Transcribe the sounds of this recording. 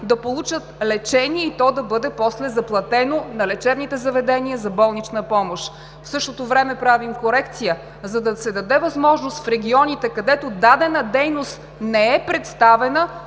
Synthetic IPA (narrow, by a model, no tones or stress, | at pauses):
d̪ɐpolˠut͡ʃət̪lɛt͡ʃɛniɛit̪ɔd̪ɐbɤd̪ɛpɔslɛzɐplˠɐt̪ɛnonɐlɛt͡ʃɛbnit̪ɛzɐvɛd̪ɛniəzɐbɔlˠnit͡ʃnəpɔmoʃ | fsɤʃt̪ot̪ovɾɛmɛpɾavimkoɾɛkt̪sijə | zɐd̪ɐsɛd̪ɐd̪ɛvɐzmɔʒnost̪fɾɛɡʲiɔnit̪ɛkɐd̪ɛt̪od̪ad̪ɛnəd̪ɛjnost̪ | nɛɛpɾɛt̪st̪avɛnə